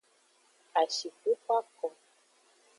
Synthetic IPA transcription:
a˨ʃi˨ku˦ka˦kɔ˨

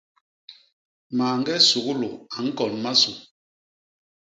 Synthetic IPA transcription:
maː˨ŋɡɛ˦su˨ɣu˦lu˨a˨ŋ̩˦kɔ˨nma˦su˨

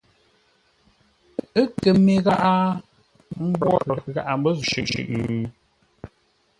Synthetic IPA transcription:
ɨ˦kə˨me˨ɣa˦ʔa˦ | m̩˦bwɔ˦˨ɣa˦ʔa˨m˦bə˦˨ʃʉ̰˨ʔʃʉ̰˨ʔŋ˨ʉ˨

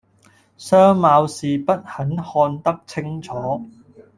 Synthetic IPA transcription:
sœː˥ŋmaː˧wsiː˨pɐ˥t̚hɐ˨˥nhɔː˧nt̪ɐ˥k̚t͡sʰɪ˥ŋt͡sʰɔː˨˥

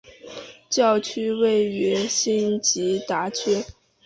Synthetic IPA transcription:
t͡ɕjɑ˥˩ʊt͡ɕʰy˥we˥˩ɪy˧˥ɕi˥nt͡ɕi˧˥t̪a˧˥t͡ɕʰɥɛ˥

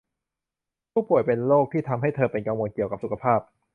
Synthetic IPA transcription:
pʰuː˥˩pu˨˩əjpe˧nloː˥˩k̚t̪ʰiː˥˩t̪ʰa˧mɦa˥˩jt̪ʰɤː˧pe˧nka˧ŋwoː˧nki˨˩əwka˨˩p̚su˨˩kʰa˧pʰaː˥˩p̚

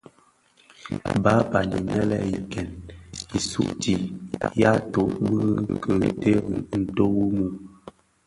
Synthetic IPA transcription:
ba˨˦pa˨nḭ˨nɛ˦lɛ˦ji˨kɛ˨ni˨sṵ˦ʔtʰi˨ja˦to˨ʔbə˦kə˨ɾḭ˨te˦˨n̩˨to˦wu˦mu˨

